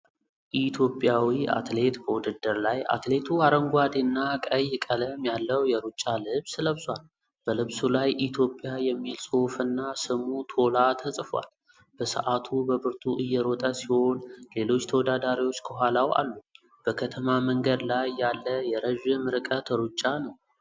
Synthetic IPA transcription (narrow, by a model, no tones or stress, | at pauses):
ʔit̪ʰjo̞pʼjawia̰t̪le̞t̪bəwʊd̪ɨd̪ːɨɾlaja̰t̪le̞t̪ʰuaɾəŋɡʷad̪enːakʼəjːɪkʼələmjalːəwjɛɾut͡ʃʼːalɨβsɨləβsʼwal | b̥əlɨβsulajʔit̪ʰjo̞pʼːjajɛmːilsʼofɨnːasɨmut̪ʰo̞lat̪ʰəsʼfwa̰l | b̥əsə̰ʔat̪ʰubəβɨɾt̪ʰuʔɨjːɛɾɔt̪ʼəsiho̞nle̞lo̞t͡ʃːt̪ʰəwɔd̪ad̪aɾiwo̞t͡ʃːkʰəɦʷalawʔa̰lːu | b̥əkʰət̪ʰəmaməŋɡəd̪lajːalːəjɛɾəʒɨmɨɾɨkʼət̪ʰəɾut͡ʃʼːanəw